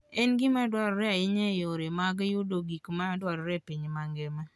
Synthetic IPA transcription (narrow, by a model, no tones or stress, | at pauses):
ɛnɡɪmadwaɾɾɛaɪɲɛjoɾemaɡjudoɡikmadwaɾɾɛpiɲmaŋɡɛma